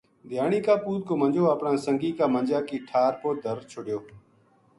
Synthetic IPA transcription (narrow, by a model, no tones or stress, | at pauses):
d̪ʱɪjaːɳ̃iːkaːpuːt̪̚koːmənd͡ʒoːaːpɳãːsəŋɡiːkaːmənd͡ʒaːkiːʈʰaːɾpoːd̪ʱəɾt͡ʃʰʊɽjoː